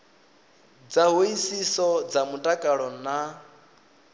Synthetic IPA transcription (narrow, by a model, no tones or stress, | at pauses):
d͡zaɦuisisɔd͡zamutʼakʼaɺɔna